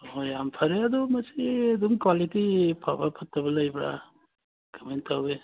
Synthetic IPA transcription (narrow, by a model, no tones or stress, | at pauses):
ojampʰɐɾeɐdɔmɐsiɐdumkwalitipʰabapʰɐtʰːɐbɐlɐjbɾa̰ | ɡamentawbe